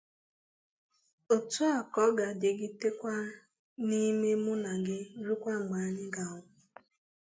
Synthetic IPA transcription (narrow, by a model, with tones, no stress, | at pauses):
o˨tʊ˦a˨kɔ˨˦ɡa˨de˨ɡɪ˦te˦kʷa˦ | ni˦me˦mʊ˦na˨ɡɪ˦ɾu˦kʷa˦ŋ͡m̩˨ɡ͡ba˨a˦ɲɪ˦ɡa˨ʊ˦